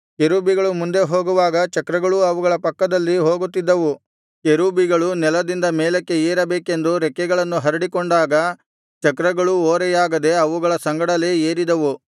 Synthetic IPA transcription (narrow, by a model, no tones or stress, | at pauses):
keɾuːbiɡɐɭumund̪e̞ɦo̞ːɡuʋaːɡɐt͡ʃɐkɾɐɡɐɭuɐʋuɡɐɭɐpɐkːɐd̪ɐlːiɦo̞ːɡut̪ːid̪ːɐʋu | keɾuːbiɡɐɭunɛlɐd̪ind̪ɐmeːlɐkːe̞eːɾɐbeːke̞nd̪uɾɛkːɛɡɐɭɐnːuɦɐɾiɽikoɳɖaːɡɐ | t͡ʃɐkɾɐɡɐɭuoːɾɛjaːɡɐd̪e̞ɐʋuɡɐɭɐsɐŋɡɐɽɐle̞ːeːɾid̪ɐʋu